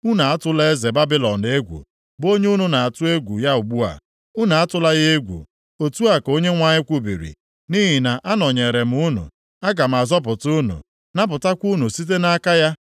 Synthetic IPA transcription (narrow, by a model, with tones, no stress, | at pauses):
u˦na˨a˦tʊ˦le˦ze˨ba˦bi˦lɔ˨ne˦ɡʷṵ˨ | bo˦ɲe˦u˦nu˨na˨a˨tʊ˦e˦ɡʷu˨ja˦u˨ɡ͡bu˦a̰˨ | u˦na˨a˦tʊ˦la˦ɣe˦ɡʷṵ˨ | o˨tu˦a˨ko˦ɲe˦ŋʷa˦ɲɪ˦kʷu˦bḭ˨ɾḭ˨ | ni˦ɦi˨na˨ʔa˦nɔ˨ɲe˨ɾe˨m̩˦u˦nṵ˨ | a˦ɡa˨m̩˨a˨zɔ˦p̬ʊ˨tʊ˦nṵ˨ | na˦p̬ʊ˨ta˦kʷu˦nu˨si˦t̬e˦na˦ka˦ja˦